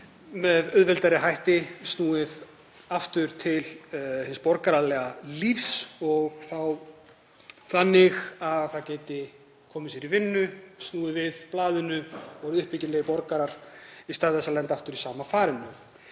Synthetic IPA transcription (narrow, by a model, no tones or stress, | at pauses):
mɛðʏðvɛlt̪aɾɪɦajht̪ɪst̪nuːɪð | aft̪ʏɾ̥t̪ʰɪlhɪnspɔɾkaɾalɛːɣalifsɔɣθaw | θanːɪxaðθacɛːt̪ɪ | kʰɔːmɪsjɛɾivɪnːʏst̪nuːðɪvɪðplaːðʏnʏɔɣʏhpɪcɪnɛɣɪpɔɾkaɾaɾ̥ist̪aːðθɛsːalɛnt̪aft̪ʏɾisaːmafaːɾɪnːʏ